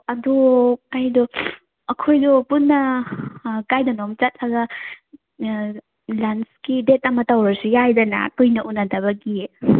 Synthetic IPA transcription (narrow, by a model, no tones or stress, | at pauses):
ɐdɔajdɔ | ɐkʰojdɔpunːɐ | kajdɐnɔmt͡ʃat̚laɡɐ | lanskidetɐmɐtawɾɐɾsijajdɐna̰kɯjnɐʔunɐdɐβɐɡie